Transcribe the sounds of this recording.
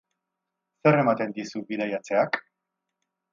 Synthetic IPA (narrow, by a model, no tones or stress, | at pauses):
se̞re̞mat̪e̞nd̪isuβiðajat͡se̞ak